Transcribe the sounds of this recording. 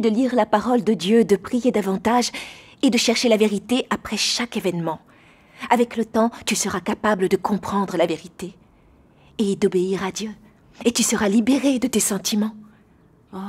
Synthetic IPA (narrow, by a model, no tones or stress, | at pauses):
d̪əliʁlapaʁɔld̪əd̪jød̪əpχijed̪avɑ̃t̪aʒ | ed̪əʃɛʁʃelaveʁit̪eʔapχɛʃakevɛnmɑ̃ | avɛklət̪ɑ̃t̪ysəʁakapabləd̪əkɔ̃pχɑ̃d̪ʁəlaveʁit̪e | ed̪ɔbeiʁad̪jø | et̪ysəʁalibeʁed̪ət̪esɑ̃t̪imɑ̃